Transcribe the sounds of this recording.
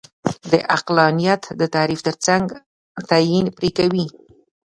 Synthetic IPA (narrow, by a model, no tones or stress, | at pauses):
d̪əʔaqlɑnijat̪d̪ət̪aɾift̪əɾt͡saŋɡ | t̪ajinpɾekawi